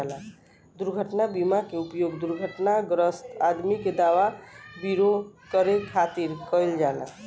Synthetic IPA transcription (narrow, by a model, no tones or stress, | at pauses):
la | d̪uɾɡʱəʈnabimakeupjoɡd̪uɾɡʱəʈnaɡɾəst̪ad̪miked̪awabiɾokəɾekʰat̪iɾkəjld͡ʒala̰